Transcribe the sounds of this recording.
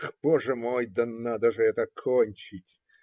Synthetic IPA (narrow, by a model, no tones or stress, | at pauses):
xpoʐɨmojd̪ɐnːad̪əʐɨɛt̪əkʰonʲt͡ɕɪtʲ